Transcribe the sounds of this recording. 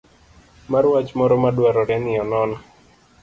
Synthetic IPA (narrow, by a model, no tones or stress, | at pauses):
maɾuwat͡ʃmɔɾɔmaɗwaɾɔɾaniɔnɔna